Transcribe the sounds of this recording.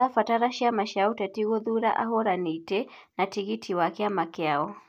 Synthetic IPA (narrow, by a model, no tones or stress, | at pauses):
afataɾaʃiamaʃautɛtiɣɔðuɾa̰ʔa̰ɦɔɾanitɛ | natiɣitʰiwakɛamakɛaɔ